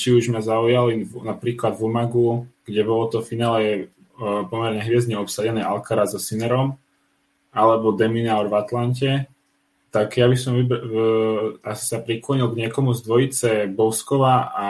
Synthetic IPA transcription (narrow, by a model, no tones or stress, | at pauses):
t͡ʃiuʒmazaujalinapɾiːklad̪vumaɡuɡ̥ɟɛbɔlɔt̪ɔfinaːlɛ | pɔmɛɾɲɛɦʋɪɛzɲɛɔpsaɟɛnɛːʔalkaɾazɔsinɛɾɔm | alɛbɔd̪ɛminaɔɾvat̪lancɛ | t̪aɡjabisɔmib | asi̥sapɾiklɔɲilˠɡɲɪɛkɔmuzd̪ʋɔjit͡sɛbɔʊskɔʋaa